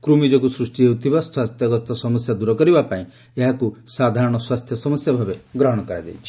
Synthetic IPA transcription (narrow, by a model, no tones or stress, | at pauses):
kɾumid͡ʒɔkusɾusʈieut̪ʰibaswast̪ʰjɔɡɔt̪ɔsɔməsjad̪uɾɔkɔɾibapaĩ | eɦakusad̪ʱaɾɔɽ̃ɔswast̪ʰjɔsɔməsjabʱabeɡɾɔɦɔɽ̃ɔkɔɾa̰jd̪ḛjt͡ʃʰi